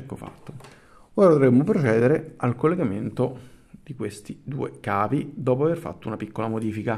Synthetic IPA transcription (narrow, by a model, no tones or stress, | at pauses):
ɛkːofa̰t̪ːo̥ | oːɾad̪ovɾemːop̬ɾot͡ʃɛːd̪eɾealkolːeɡament̪o | d̪ikwest̪id̪ṵːekaːvid̪ɔːp̬oaverfa̰t̪ːounapikːolamod̪iːfika